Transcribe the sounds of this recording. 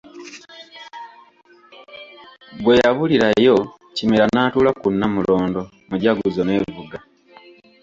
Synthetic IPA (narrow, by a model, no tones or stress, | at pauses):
ɡwe̞jaβuliɾaejo̞ | cimiɾanaːtuːlakunːamulo̞ːndo̞ | muɟaɡuzone̞ːvuɡa